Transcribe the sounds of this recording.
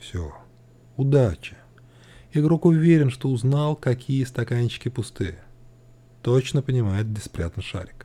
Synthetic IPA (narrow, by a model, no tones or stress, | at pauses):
fsʲo | ʊd̪at͡ɕɪ̥ | ɪɡɾokʊvʲeɾʲɪnʂt̪o̞ʊznɑlˠkɐkʲʰijəst̪ɐkanʲɕːɪ̥kʲɪpʊst̪ɨjə | t̪ot͡ɕnəpənʲɪmajɪt̪̚bʲɪspɾʲat̪ənʂa̰ɾʲɪk